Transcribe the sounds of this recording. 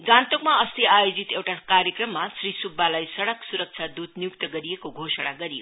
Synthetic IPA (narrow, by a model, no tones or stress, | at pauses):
ɡãnt̪okmaʌst̪iajod͡zit̪ewʈakaɾjekrʌmːasrisubːalajsʌɽʌksuɾʌk̚t͡sʰad̪ud̪nijukt̪ʌɡʌɾijekoɡʱosəɽ̃aɡʌɾijo̰